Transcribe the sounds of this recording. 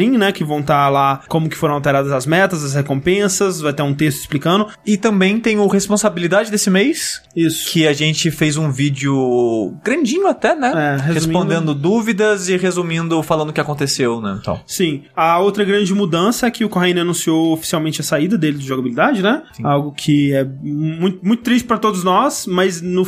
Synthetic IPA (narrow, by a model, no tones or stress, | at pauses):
ĩnɛkɪvɐ̃w̃t̪alakõmʊkɪ̥foɾɐ̃awˠt̪eɾad̪ɐzɐzmɛt̪ɐzɐs̬hekõmpẽsɐzvajt̪eũt̪est̪ʊɪ̥splikɐ̃nd̪ʊ | ɪt̪ɐ̃mbẽj̃t̪ẽj̃ʊhespõsabilid̪ad͡ʒɪd̪esɪmejsisʊ̥kʰɪaʒẽnt͡ʃɪfejzũvid͡ʒʊɡɾɐ̃nd͡ʒĩɲʊat̪ɛnɛɛhezeusmipõnd̪ẽnd̪ʊd̪uvid̪ɐzɪɦezumĩnd̪ʊfalɐ̃nd̪ʊkɪakõnt̪esewnɛ̰̃t̪ɐ̰̃w̃sĩɐowt̪ɾɐɡɾɐ̃nd͡ʒɪmud̪ɐ̃sɐɛkɪʊkoɦaĩnanũsiowofi̥siawmẽnt͡ʃɪɐsaid̪ɐd̪elɪd͡ʒɪʒoɡabilid̪ad͡ʒɪnɛsĩawɡʊkʰɪɛmmũj̃t̪ʊmũj̃t̪ʊt̪ɾis̬t͡ʃɪpɾɐt̪od̪ʊznɔsmɐznʊ